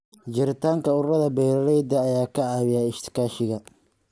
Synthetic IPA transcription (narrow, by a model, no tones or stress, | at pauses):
d͡ʒɪɾɪt̪ʰaːŋkʰɐʊrɐðɐbɛjɾɐɾɛjd̪ɐːjaːkʰɐʕɑːβɪjaːɪʃt̪ʰɪ̥kʰaːʃɪɣɐ